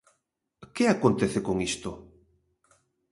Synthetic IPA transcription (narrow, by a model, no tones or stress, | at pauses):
keakont̪eθekoŋist̪o